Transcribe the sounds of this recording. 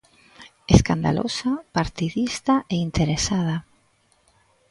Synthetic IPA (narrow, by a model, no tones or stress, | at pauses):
eskand̪a̰lʔo̰sapaɾt̪iðist̪aʔeint̪eɾesað̞a